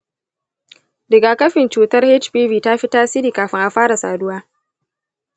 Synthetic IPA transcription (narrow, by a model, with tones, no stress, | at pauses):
dɪ˨ɡaː˨kɐ˦ɸɪ˨nt͡ʃuː˨tɐ˦rhe˦t͡ʃpiː˦viː˨ta˦ɸi˦taː˦si˦ɾiː˨kaː˨ɸɪ˦ŋʔa˨ɸaː˦ɽa˨sa̰ː˨dʊ˦waː˦